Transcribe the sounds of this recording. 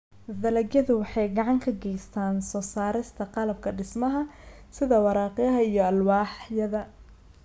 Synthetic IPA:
ðɐlɐɡjɐðʊwɑħɑjɡɑʕɑŋkʰɐɡɛjst̪ʰaːnsɔːsaːɾɪst̪ʰɐqɑlɐb̚kʰɐɖɪsmɐɦɐ | sɪðɐwɑɾɑːqɪjɐɦɐijɔɐlwɑːħjɐðɐ

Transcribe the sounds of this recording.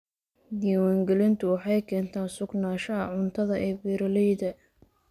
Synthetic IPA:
d̪iːwaːŋɡɛlɪnt̪ʰʊwɑħɑjkʰɛːnt̪ʰaːnsʊɡnaːʃɐɐʕʊnt̪ʰɐðɐʔɛːbiːɾɐlɛjðɐ

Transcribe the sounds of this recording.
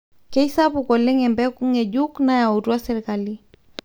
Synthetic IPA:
kɛisapukɔlɛŋɛmbɛkuŋɛʄuknajauɾuasɛɾikali

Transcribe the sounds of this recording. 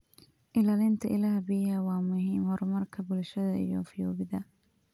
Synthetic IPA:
ʔɪlaːlɪnt̪ʰɐʔɪlaːɦɐbɪjhɐwɑːmʊɦiːmhɔɾmɐrkʰɐbʊlʃɐðɐḭjɔ̰fɪjɔːβɪðɐ

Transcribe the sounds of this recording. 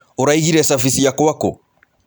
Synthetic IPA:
oɾaiɣiɾɛsafisijakɔwakɔ

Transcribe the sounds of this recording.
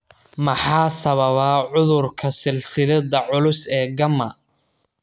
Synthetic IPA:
mɐħɑːsɐβɐβaːʕʊðʊrkʰɐsɪlsɪlɐdɐʕʊlʊsɛːɡɐmɐ

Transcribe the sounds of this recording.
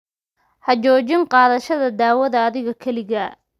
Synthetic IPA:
hɐt͡ʃɔːt͡ʃɪnqɑːðɐʃɐðɐd̪aːwɐðɐːðɪɣɐkʰɐlɪɣɐ

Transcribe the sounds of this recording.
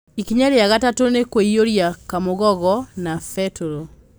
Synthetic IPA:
ikiɲaɾeaɣatatonekweioɾjakamoɣɔɣɔnafɛtuɾo

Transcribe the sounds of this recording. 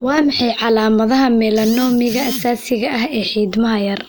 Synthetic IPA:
wɑːmɑħɑjʕɑlaːmɐðɐɦɐmɛːlɐnɔːmɪɣɐʔɐsaːsɪɣɐʔɐhɛːħiːd̪mɐɦɐjɐr

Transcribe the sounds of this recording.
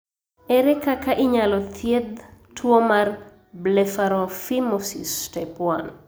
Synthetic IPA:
ɛɾɛkakaʔiɲalɔt̪ʰjed̪tʰuomar | blefaɾɔfimɔsḭstɛpwan

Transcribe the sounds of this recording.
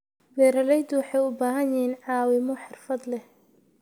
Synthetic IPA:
wɛːɾɐlɛjd̪ʊwɑħɑjʊbaːɦɐnjɪɦiːnʕɑːwɪmɔħɑrfɐd̪lɛh

